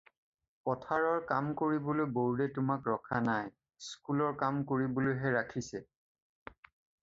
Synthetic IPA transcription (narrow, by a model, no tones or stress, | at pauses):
pɔtʰaɹɔɹkamkoɹibolojboɹɹɛtʊmakɹɔkʰanaj | skulɔɹkamkoɹibolojɦɛɹakʰisɛ